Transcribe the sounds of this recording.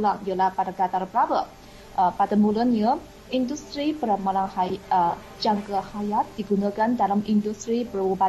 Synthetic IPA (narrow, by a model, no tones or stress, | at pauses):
laŋijəlahpadaɡat̪arbəɾabə | padamulənjə | ʔindust̪ɾibəɾamalaŋha | d͡ʒaŋkəhajat̪̚diɡunakandalamindust̪ɾibəruba